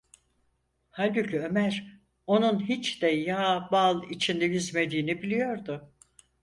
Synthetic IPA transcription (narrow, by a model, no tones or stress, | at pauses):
halʲbyclʲyø̞mæɾ̥ | o̞nunɦit͡ʃd̪ɛjabalˠit͡ʃʰind̪ɛjizme̞d̪iːnibilʲijo̞ɾd̪ʊ